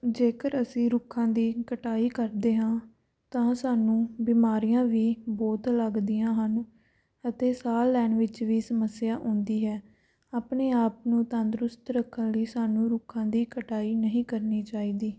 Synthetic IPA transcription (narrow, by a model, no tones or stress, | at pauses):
d͡ʒeːkəɾəsĩːɾʊkʰːãːd̪iːkəʈaːiːkəɾd̪eːɦãː | t̪ãːsaːnũːbiːmaːɾijãːʋiːbɔːt̪ləɡd̪ɪjãːɦən | ət̪eːsaːlːɛːnʋɪt͡ʃʋiːsəməsːɪjaːʔõːnd̪iːɦɛː | aːpneːaːpnũːt̪ãːnd̪ɾʊst̪ɾəkʰːənliːsaːnũːɾʊkʰãːd̪iːkəʈaːiːnəɦĩːkəɾniːt͡ʃaːiːd̪iː